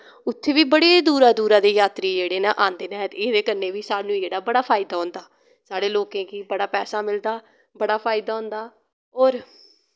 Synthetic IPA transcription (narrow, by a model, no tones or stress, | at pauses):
ʊt̪ʰːeːʋiːbəɽeːd̪uːɾaːd̪uːɾaːd̪eːjaːt̪ɾiːd͡ʒeːɽeːnaːʔãːnd̪eːnãːt̪ːeːd̪eːkəɾneːʋiːsaːnũːd͡ʒeːɽaːbəɽaːpʰaːɪd̪aːɦʊ̃nd̪aː | saːɽeːloːkẽːkiːbəɽaːpɛːsaːmɪld̪aː | bəɽaːpʰaːɪd̪aːɦʊ̃nd̪aː | oːɾ